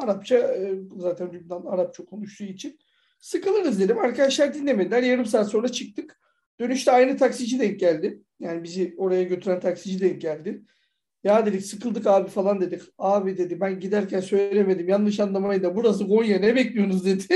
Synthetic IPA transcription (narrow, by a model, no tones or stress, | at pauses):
aɾapt͡ʃʰazaːt̪ʰænd̪ybd̪anaɾap̚t͡ʃʰakʰonuʃt̪ʰuːit͡ʃʰin | sɯkɯlˠɯɾnɯzd̪e̞d̪imaɾkʰad̪aʃlˠaɾd̪inlʲe̞me̞d̪ilʲæɾjaɾɯms̬aːt̪so̞nɾat͡ʃʰɯk̚t̪ʰɯk | d̪̥ø̞nyʃt̪ʰɛajnɯt̪ʰaksid͡ʒid̪ɛŋ̚ɟælʲd̪ɪ | jaːnibizio̞ɾajaɟøt̪ʰyɾænt̪ʰaksid͡ʒid̪ɛɟælʲd̪ɪ | jaːd̪e̞d̪icsɯkʰɯlˠd̪ɯkaːbifalˠand̪e̞d̪icaːbid̪e̞d̪ibænɟid̪æɾcʰænsø̞jllʲe̞me̞d̪imjanlˠɯʃ̬anlˠamajɯd̪abuɾazɯɡo̞njaɾnɛbɛclʲijo̞nuzd̪e̞d̪ɪ